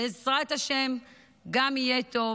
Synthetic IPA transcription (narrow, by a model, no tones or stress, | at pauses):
ezʁaet̪haʃe̞m | ɡamijet̪o̞